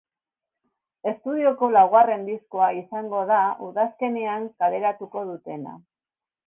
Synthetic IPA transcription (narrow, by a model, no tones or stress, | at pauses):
e̞st̪uð̞io̞ko̞lawɣare̞nd̪isko̞aisaŋɡo̞ð̞auðaske̞neaŋkale̞ɾat̪uko̞ð̞ut̪e̞na̰